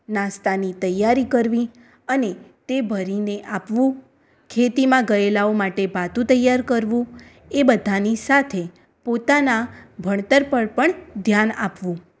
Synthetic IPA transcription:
nãst̪anit̪əjːaɾikəɾʋĩ | ənet̪ebʱəɾineʔapʋũ | kʰet̪imãɡəelaomaʈebat̪ũt̪əjːaɾkəɾʋũ | ebəd̪ʱanisat̪ʰe | pot̪anabʱəɳ̃t̪əɾpəɭpəɳd̪ʱjanapʋũ

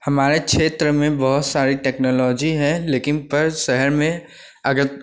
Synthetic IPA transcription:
hɐmaːɾekʃeːt̪ɾəmẽbɐɦʊt̪saːɾiʈɛːknɔːlɔːd͡ʒiɦɛ̃leːkɪnpɐɾʃɛɦəɾmẽ | ɐɡəɾ

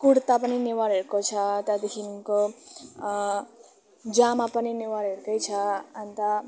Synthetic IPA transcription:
kuɽt̪apʌniniwaɾɦeɾkot͡sʰʌt̪at̪ikʰinko | d͡ʒamapʌniniwaɾɦeɾd̪ʌjt͡sʰʌant̪a

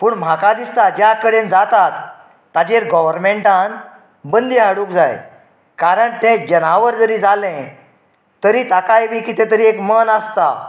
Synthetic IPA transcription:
puːɳm̤akad̪ist̪ad͡ʑjakəɽend͡zat̪at̪ː | ad͡ʑeɾɡɔʋəɾmeɳʈãn | bənd̪iɦaɽuːkd͡zaj | kaɾəɳt̪ẽd͡ʑənaʋəɾd͡zəɾiːd͡zalɛ̃ | t̪əɾiːt̪akajʋiːkit̪ɛ̃t̪̬əɾiekmənəst̪a̰

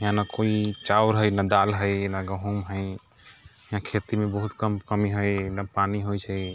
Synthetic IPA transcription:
jãnakoit͡ʃawɾɦəjnad̪alɦəjnaɡəɦumɦəj | jãkʰet̪imebəɦut̪kəmkəmiɦəjnapaniɦojt͡ʃʰə

